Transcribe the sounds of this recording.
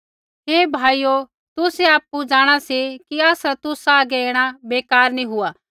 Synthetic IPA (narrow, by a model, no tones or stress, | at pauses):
ɦeːbʱaːiːjo | t̪ʊseaːpːud͡ʒaːɽ̃asikiaːsat̪ʊsaːɡeeːɽ̃abeːkaːɾnĩɦʊaː